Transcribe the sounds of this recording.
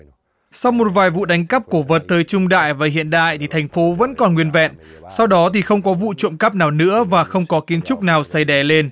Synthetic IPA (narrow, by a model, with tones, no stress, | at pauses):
sa˧wmo˨˩t̚vaː˨˩jvṵ˧˨ɗa˨˦jŋ̟kə˦˥p̚ku˧˩əvəː˨˩t̚t̪əː˨˦jt͡ɕʊ˧ŋ͡mɗa̰ː˧˨jvaː˨˩ɦḭ˧˨ənɗa̰ː˧˨jt̪ʰi˨˩t̪ʰa˨˩jŋ̟fo˨˦və̰˧˥nkɔ˨˩nŋwi˧ənvɛ̰˧˨nsa˧wɗɔ˨˦t̪ʰi˨˩xə˧wŋ͡mkɔ˨˦vṵ˧˨t͡ɕo̰˧˨mkə˦˥p̚naː˨˩wnɨ̰˧˥əvaː˨˩xə˧wŋ͡mkɔ˨˦ki˨˦ənt͡ɕʊ˦˥k͡p̚naː˨˩wsa˧jɗɛ˨˦le˧n